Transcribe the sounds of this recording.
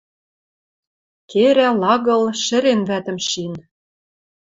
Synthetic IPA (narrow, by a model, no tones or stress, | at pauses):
keɾælɑɣɤ̆lʃɘ̆ɾenvæt̪ə̆mʃin